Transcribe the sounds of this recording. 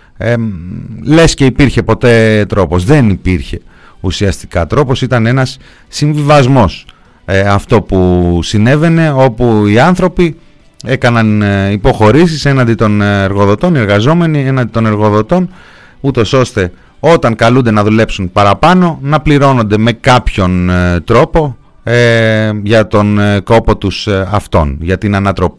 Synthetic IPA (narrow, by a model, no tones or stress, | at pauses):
le̞sce̞ipiɾçe̞po̞t̪e̞t̪ɾo̞po̞zðe̞nipiɾçe̞ | usiɐst̪i̥kɐt̪ɾo̞po̞sit̪ɐne̞nɐsː | iɱvivɐzmo̞s | ɐft̪o̞pusine̞ve̞ne̞o̞puiɐnθɾo̞pi | e̞kɐnɐnipo̞xo̞ɾisise̞nɐnd̪it̪o̞neɾɣo̞ðo̞t̪o̞nie̞ɾɣɐzo̞me̞nie̞nɐnd̪it̪o̞ne̞ɾɣo̞ðo̞t̪o̞n | ut̪o̞so̞st̪e̞ | o̞t̪ɐŋkɐlund̪e̞nɐðule̞psunpɐɾɐpɐno̞nɐpliɾo̞no̞nd̪e̞me̞kɐpço̞nt̪ɾo̞po̞ | ʝɐt̪o̞nk̪o̞po̞t̪usɐft̪o̞̰nʝɐt̪inɐnɐt̪ɾo̞pi